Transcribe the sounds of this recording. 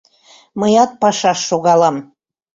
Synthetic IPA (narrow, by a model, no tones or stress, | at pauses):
məjɑt̪̚pɑʃɑʃːoɣɑlɑm